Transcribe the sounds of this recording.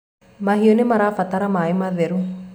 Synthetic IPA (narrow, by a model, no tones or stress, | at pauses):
maɦiɔnemaɾafat̪aɾamaemaðeɾu